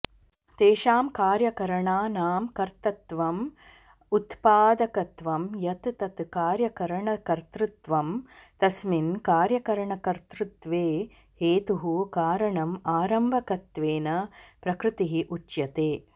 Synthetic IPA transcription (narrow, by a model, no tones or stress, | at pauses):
t̪eːʃaːmkaːɾjɐkɐɾɐɳaːnaːmkɐɾt̪ɐt̪ʋɐm | ut̪paːd̪ɐkɐt̪ʋɐmjɐt̪t̪ɐt̪kaːɾjɐkɐɾɐɳɐkɐɾt̪ɾut̪ʋɐmt̪ɐsminkaːɾjɐkɐɾɐɳɐkɐɾt̪ɾut̪ʋeː | heːt̪uɦukaːɾɐɳɐmaːɾɐmbʱɐkɐt̪ʋeːnɐpɾɐkɾɨt̪iɦiʔut͡ʃjɐt̪eː